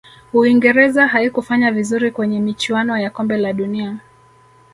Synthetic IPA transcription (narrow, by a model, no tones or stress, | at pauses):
uiŋɡɛɾɛzaɦaikufaɲavizuɾikwɛɲɛmit͡ʃuanɔjakɔmbɛlaɗunia